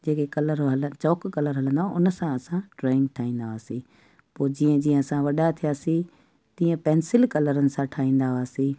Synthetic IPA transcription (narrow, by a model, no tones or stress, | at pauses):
d͡ʑeːkekɐləɾɦɐlət͡ɕɔːkkɐləɾɦɐlə̃nd̪aãʊnəsãɐsãʈɾɔːɪ̃ŋɡʈʰaːɦĩːn̆d̪aaːsĩ | poːd͡ʑiːə̃d͡ʑiːə̃ɐsãʋɐɗat̪ʰijaːsi | t̪ĩːə̃pɛːnsɪlkɐləɾənɪ̆sãʈʰaːĩːn̆d̪aʋaːsĩː